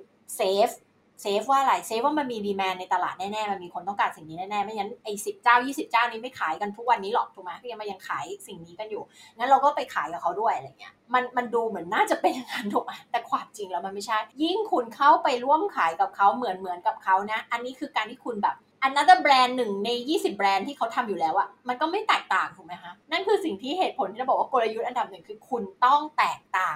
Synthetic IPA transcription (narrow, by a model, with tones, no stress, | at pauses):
seː˦˥f̚ | seː˦˥f̚waː˥˩ʔa˨˧ɾa˧jseː˦˥f̚waː˥ma˧nmiː˧diː˧mɛː˧nːa˧jt̪a˧la̰ː˨˩t̪̚nɛː˥˩nɛː˥˩ma˧nmiː˧kʰo˧nt̪ɔː˧˥˩kaː˨˩t̪si˨˩ŋniː˦nɛː˥˩nɛː˥˩ma˧nŋa˦˧˥nʔa˧˩jsi˨˩p̚kaː˥˩wjiː˥˩si˨˩p̚kaː˥˩wniː˦˥ma˥˩jkʰaː˩˦jka˧nt̪ʰu˦˥k̚wa˧nːiː˦˥lɔ˨˩k̚t̪ʰu˨˩kma˦˥kʰːma˧˩ja˧ŋkʰaː˩˦jsi˨˩ŋniː˦˥ka˧njuː˨˩ŋa˦˥nɾa˧wkɔː˥˩pa˧jkʰaː˩˦jka˨˩kʰa˦˥wdu˥˩əjʔa˧a˧˩jŋːi˦˥ɐʔma˧nma˧nduː˧mɯ˩˦ənːaː˥˩t͡ɕa˨˩pe˧nʔa˧ŋaː˧nt̪ʰu˨˩k̚ma˧˥t̪ɛː˨˩kʰwaː˨˧mt͡ɕi˧ŋlɛː˦˥wma˧nma˥˩jt͡ɕʰa˥˩jji˥˩ŋkʰu˧nkʰa˦˥˩wpa˧jɾu˥˩əmkʰaː˩˦jka˨˩p̚kʰa˦˥wmɯ˩˦ənmɯ˩˦ənka˨˩p̚kʰa˦˥wna˦˥ʔa˧nːiː˦˥kʰɯː˧kaː˧nt̪iː˥˩kʰu˧nbɛː˨˩p̚ʔa˧nːa˦˥d̪ə˧bɾɛː˧nːɯ˨˩ŋna˧jjiː˥˩si˨˩p̚ːɾɛː˧nt̪ʰiː˥˩kʰa˦˥wt̪ʰa˧mjuː˨˩lɛː˦˥wʔa˨˩ma˧nkɔː˥˩ma˥˩jt̪ɛː˨˩k̚t̪aː˨˩ŋt̪ʰu˨˩ma˦˥jkʰa˦˥na˥˩nkʰɯː˧si˨˩ŋt̪ʰiː˥˩heː˨˩t̪̚pʰo˨˦nt̪i˥˩˧bɔː˨˩wa˥ko˧la˧ju˦˥t̪̚ʔa˧nda˨˩p̚nɯ˨˩ŋkʰɯː˧kʰu˧nt̪ɔ˥˩ŋt̪ɛː˨˩k̚t̪aː˨˩ŋ